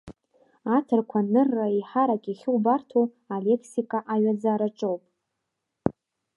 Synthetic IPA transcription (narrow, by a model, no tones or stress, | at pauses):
atʰɨrkʷʰanɨrːaiħaɾakʲʼiχʲɪwbartʰo | ale̞kʰsikʼaʔaɥad͡zaːɾaʈ͡ʂʼowpʼ